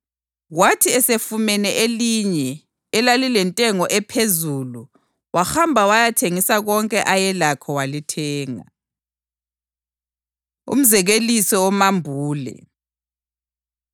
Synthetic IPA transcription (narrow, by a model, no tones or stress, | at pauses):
watʰiɛsefumɛnɛʔeliɲɛː | lalilɛntʼɛŋɔʔɛpʰezulu | waxambʱawajatʰeŋisaɣɔŋkʼɛʔajɛlakʰɔwalitʰɛːŋa̰ | ṵm̩zɛɣelisɔɔmambʱuːlɛ̰